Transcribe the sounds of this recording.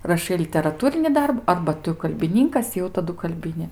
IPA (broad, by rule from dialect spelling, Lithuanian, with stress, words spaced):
rɐˈʃɐɪ lʲɪtʲɛrɐˈtuːrʲɪnʲɪ ˈdɐrbʊ ˈɐrbɐ ˈtʊ kɐlʲbʲɪˈnʲɪŋkɐs jɛʊ tɐˈdʊ kɐlʲˈbʲɪnʲɪ